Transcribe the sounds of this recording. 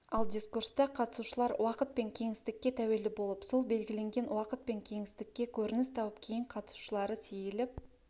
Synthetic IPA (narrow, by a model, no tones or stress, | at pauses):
ɑlˠd̪ʲiskurst̪ɑqʰɑt̪ə̥suʃəlˠɑɾwɑqət̪̚pe̞ŋkʲʰe̞ŋɪst̪ɪkʲːe̞t̪ʰæwe̞ld̪ɪbo̞lˠəpso̞lˠbe̞lɡʲɪle̞ŋɡʲe̞nwɑqət̪̚pe̞ŋkʲʰe̞ŋɪst̪ɪkʲːe̞kʲʰɵɾɪnɪst̪ʰɑwəp̚kʲʰe̞jɪɴqʰɑt̪ə̥su̥ʃəlˠɑɾəsejɪlɪp̚